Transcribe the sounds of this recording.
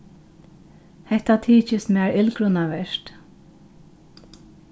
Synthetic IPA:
hɛht̪at̪ʰiːt͡ʃɪsmæːɹʔɪlkɹʊnaʋɛʃt̪

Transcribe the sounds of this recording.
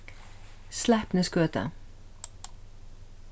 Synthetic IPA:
slæpnəskøːt̪ə̰

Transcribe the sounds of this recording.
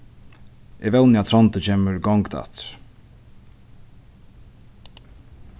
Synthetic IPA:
ʔɛvɛwnɪat̪ʰɾɔnt̪ət͡ʃʰeːməɹɡɔŋkt̪a̰t̪

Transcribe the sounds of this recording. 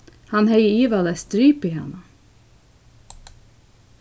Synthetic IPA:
hɑnhœɪəiːʋɑlɛst̪ɾyːpiːhɑ̰nə

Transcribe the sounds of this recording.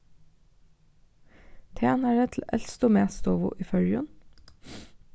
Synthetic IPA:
t̪ʰeːnæɖet̪ʰl̩ɛlst̪oːmeːst̪oːʋʊ̰ʔiːfœɹjʉ̰n

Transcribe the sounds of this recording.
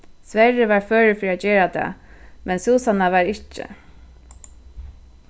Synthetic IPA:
sʋɛɹɪʋaɹfœːɹɪfɾiacɛːɾat̪ʰa̰ːmɛnsuːsanaʋaɾɪht͡ʃːɪ̰

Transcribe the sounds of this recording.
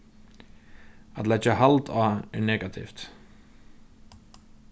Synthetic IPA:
at̪lɛd͡ʒaɦalt̪ʰaɛɹnɛːkat̪ʰḭft̪

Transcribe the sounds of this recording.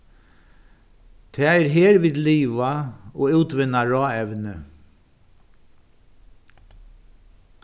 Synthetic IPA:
t̪ʰɛːɛɾɦeːɾʋiːðliːʋaɔːʉːt̪ʋɪnːaɹɑːɛʋnə

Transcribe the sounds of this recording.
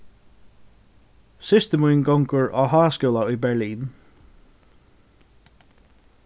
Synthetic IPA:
sɪst̪əmuːnɡɔŋkəɹʔɔɦaːskʊlˠaibɛɹliːn

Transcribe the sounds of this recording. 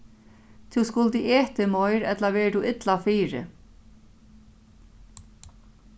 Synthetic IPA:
t̪ʰuwskʊlt̪ɪʔɛːht̪ɪmɔjɾɛt̪lavɛːɹt̪ʰuɪt̪lafiːɾɪ̰

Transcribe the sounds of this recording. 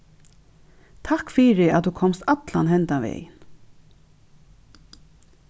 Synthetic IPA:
t̪ʰakfiːɾɪat̪ukʰɔmst̪at̪la̰nɦɛnt̪aʋɛ̰ːjɪn

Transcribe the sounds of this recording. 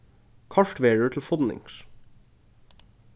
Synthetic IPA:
kʰɑʃʈʋeːɖət̪ʰl̩fɔd̪nɪ̰ŋs

